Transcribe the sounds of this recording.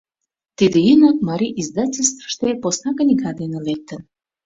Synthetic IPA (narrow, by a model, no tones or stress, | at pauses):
t̪id̪eynəkmɑɾʲiʔizd̪ɑtʲelʲst̪və̥ʃt̪eposnɑkə̆nʲiɡɑd̪enĕlek̚t̪ən